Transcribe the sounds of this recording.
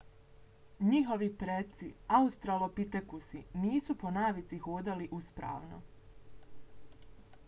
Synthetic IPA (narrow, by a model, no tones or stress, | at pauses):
ɲiɦo̞ʋipɾet̪siaust̪ɾalˠopit̪ekusiniːsuponaːʋit̪sixoːd̪aliʔuspɾa̰ːʋno̰